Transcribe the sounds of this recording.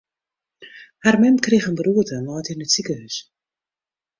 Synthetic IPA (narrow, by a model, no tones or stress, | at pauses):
harmɪnkrixənbəruətənɔːjtinətsikəhys